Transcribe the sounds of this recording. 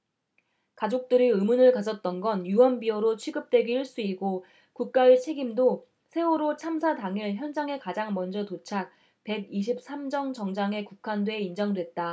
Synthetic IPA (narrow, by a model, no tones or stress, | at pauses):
kad͡ʑok̚t͈ɯɾiɯmunɯɭkasʰʌt̚t͈ʌnɡʌnjuwʌnbiʌɾot͡ɕʰɥiɡɯp̚t͈we̞ɡiiɭs͈uiɡo | kuk̚k͈aet͡ɕʰe̞ɡimdo | sʰe̞uɾot͡ɕʰamsʰadaŋiɭçjʌnd͡ʑaŋe̞kad͡ʑaŋmʌnd͡ʑʌtot͡ɕʰak̚ | pe̞ɡiɕ̬ʰip̚s͈ʰamd͡ʑʌŋd͡ʑʌŋd͡ʑaŋe̞kukʰandweind͡ʑʌŋdwe̞t̚t͈a